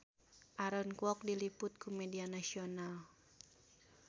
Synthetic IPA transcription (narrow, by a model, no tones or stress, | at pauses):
ʔaɾɔnkwɔk̚dilipʊt̪̚kumɛdianasiɔnal